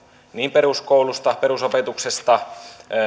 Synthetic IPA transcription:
niːmpeɾuskoulust̪ɑpeɾusopet̪uksest̪ɑ

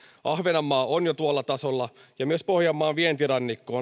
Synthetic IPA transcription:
ʔɑhʋenɑmːɑːonjot̪uolːɑt̪ɑsolːɑjɑmyøspohjɑmːɑːnʋient̪irɑnːikːoː

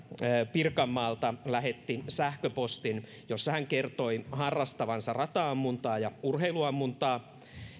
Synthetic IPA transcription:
pirkɑmːɑːlt̪ɑlæhet̪ːisæhkøpost̪in | josːɑhæŋkert̪o̞ihɑrːɑst̪ɑʋɑnsɑrɑt̪ɑːɑmːunt̪ɑːjɑurheiluɑmːunt̪ɑː

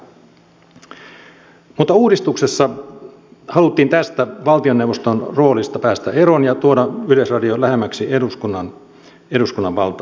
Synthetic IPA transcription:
mut̪ːɑuːdist̪uksesːɑ | hɑlut̪ːiːnt̪æst̪æʋɑlt̪io̞newʋost̪onro̞ːlist̪ɑpæːst̪æe̞ɾo̞njɑt̪uodɑyløsrɑdiolæɦemːæksieduskunːɑn | e̞duskunːɑʋʋɑ̰lt̪ɑ

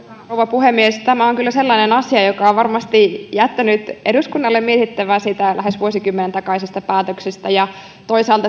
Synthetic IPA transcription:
ouʋɑpuhemːiest̪æmæoŋkylːæselːɑinenɑsiɑjokɑoʋʋɑrmɑst̪ijæt̪ːænyt̪eduskunːɑlːemmiet̪it̪ːæʋæːsiːt̪ælʔæhesʋuosikymːenent̪ɑkɑisist̪ɑpæːt̪øksest̪æjɑ | t̪oisɑːlt̪ɑ

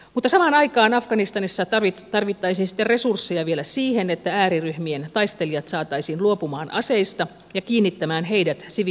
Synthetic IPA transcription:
mut̪ːɑsɑmɑːnɑikɑːnɑfɡɑnist̪ɑnisːɑt̪ɑrʋit̪ːɑisinsi̥t̪ːere̞sursːejɑʋielæsiːhenet̪ːææːɾiryhmient̪ɑist̪elijɑt̪sɑːt̪ɑisiːnluopumɑːnʔɑ̰seist̪ɑ | jɑkiːnːit̪ːæmæːnɦeidæt̪siʋ

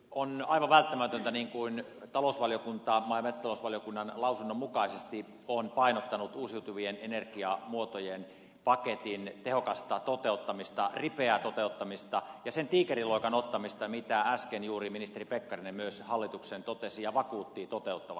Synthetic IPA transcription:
onɑiʋɑʋʋælt̪ːæmæt̪ønt̪æniːŋkuint̪ɑlosʋɑlijokunt̪ɑmɑˑimet̪st̪ɑlosʋɑljokunːɑnlɑusunːomukɑisest̪i | onpɑinot̪ːɑnut̪uːsiut̪uʋienenerkiɑmuot̪ojen | pɑket̪int̪ehokɑst̪ɑt̪ot̪eut̪ːɑmist̪ɑripeæt̪ot̪eut̪ːɑmist̪ɑjɑsent̪iːkeriloˑikɑnot̪ːɑmist̪ɑmit̪ææskenjuːriminist̪eripekːɑrinemyøshɑlːit̪uksent̪ot̪esijɑʋɑkuːt̪ːiːt̪ot̪eut̪ːɑʋɑ̰

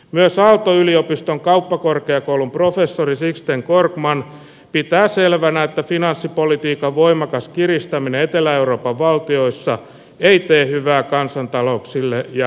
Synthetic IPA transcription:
myøsɑlt̪oyliopist̪oŋkɑupːɑkorkeɑkoulumprofesːorisikst̪eŋkorkmɑn | pit̪æːselʋænæet̪ːæfinɑnsːipolit̪iːkɑʋʋoimɑkɑskirist̪ɑmineet̪elæeuɾo̞ːpɑʋʋɑlt̪io̞isːɑ | eit̪eːhyʋæːkɑnsɑnt̪ɑlo̞uksilːejɑ

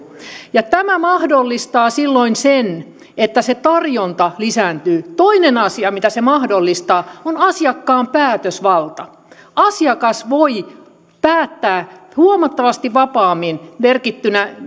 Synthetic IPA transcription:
jɑt̪æmæmɑhdolːist̪ɑːsilːoinsen | et̪ːæset̪ɑrjont̪ɑlisæːnt̪yːt̪oinenɑsiɑmit̪æsemɑhdolːist̪ɑːonɑsiɑkːɑːmpæːt̪øsʋɑlt̪ɑ | ɑsiɑkɑsʋoi | pæːt̪ːæːhuomɑt̪ːɑʋɑst̪iʋɑpɑːmːinʋerkit̪ːynæ

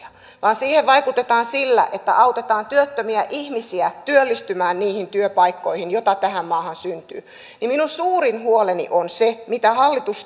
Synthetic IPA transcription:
ɑ | ʋɑːnsiːheʋʋɑikut̪et̪ɑːnsilːæ̰ʔet̪ːæ̰ʔɑwt̪et̪ɑːnt̪yøt̪ːømiæʔihmisiæt̪yølːist̪ymæːnniːhint̪yøpɑikːoihinjot̪ɑt̪æhæmmɑːhɑnsynt̪y̰ː | niminunsuːɾinhuolenḭʔonsemit̪æhɑlːit̪us

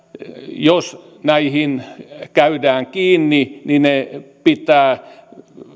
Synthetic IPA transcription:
jos | næihinkæydæːŋkiːnːininepit̪æː

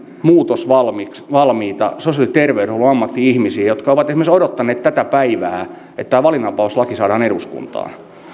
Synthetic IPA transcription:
muːt̪osʋɑlmiksʋɑlmiːt̪ɑ̰sosiɑlit̪erʋeuuolːuɑmːɑt̪ːiihmisiːjot̪kɑoʋɑt̪esimersodot̪ːɑneːt̪t̪æt̪æpæiʋæː | et̪t̪ːæːʋɑlinɑpɑslɑkisɑːdɑːneɾuskṵnt̪ɑ̰ːn

